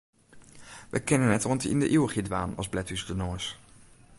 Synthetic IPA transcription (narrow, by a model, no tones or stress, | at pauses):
ʋə̰kɛnənɛtɔntɪ̰ndəʔiwχidʋaːnɑ̰zblɛtysdənoːɹs